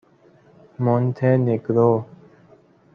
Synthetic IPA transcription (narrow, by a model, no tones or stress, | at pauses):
moːnt̪ʰeːnekɾoː